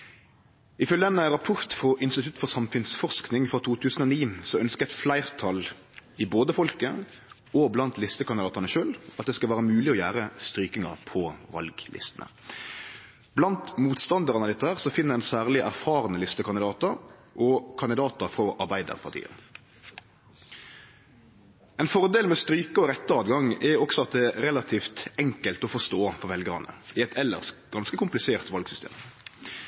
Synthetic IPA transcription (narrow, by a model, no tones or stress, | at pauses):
ɪfœlənəɾɑpʰʊʁt̪fʁɔʔɪnst̪ɪt̪ʰʉt̪ːfɔsɑmfʉnsfɔʁsknɪŋfʁɔt̪ʰuːt̪ʰʉːsən̩ɔniːsɔœnskəɛt̪flæɪʁt̪ʰɑl | ɪboːd̪əfɔlkə | ɔblɑnt̪lɪst̪əkʰɑnd̪ɪd̪ɑːt̪ənəʃøːlɑt̪̚d̪ɛskɑlʋæːɾəmʉːlɪɔjæːʁəst̪ɾyːkɪŋɑʁpʰɔʋɑ̰lɡlɪ̰st̪ənə̰ | blɑnt̪muːt̪st̪ɑnd̪əʁɑnəɑd̪ɛɪt̪ːəhæːʁsɔfɪnːəɾɛnsæːʁlɪʔæʁfɑːʁənəlɪst̪əkʰɑnd̪ɪd̪ɑːt̪əɾʔɔkʰɑnd̪ɪd̪ɑːt̪əfɾɔʔɑɾbæɪd̪ə̰ʁpʰɑʁt̪ʰḭːə̰n | ɛnfɔʁd̪eːlmɛst̪ɾyːkəɔʁɛt̪ːəɑːd̪ɡɑŋɛɔksɔɑt̪̚d̪ɛɛɾɛlɑt̪ʰiːft̪ɛŋkəlt̪ɔfɔʂt̪oːfɔʁʋɛlɡəʁɑnə̰ɪɛt̪ʰɛlːə̰ʁsɡ̥ɑnskəkʊmplɪseːʁt̪ʋɑlɡsʏst̪ḛːm